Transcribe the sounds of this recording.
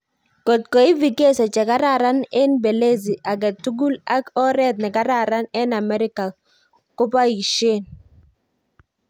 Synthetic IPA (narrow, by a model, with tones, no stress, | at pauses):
ko˨t̚ko˨i˦vi˨ke˦sɔ˨t͡ʃɛ˨ka˦ɾa˦˨ɾa˦nɛ˦nbe˨le˦zi˨ʔa˨ɡɛ˨tu˦ɡu˦la˦kɔ˦ɾɛ˦t̪̚nɛ˨ka˦ɾa˦˨ɾa˦nɛ˦na˨mɛ˦ɾɪ˦ka˨ | kʊ˦pa˦i˨ʃe˦˨n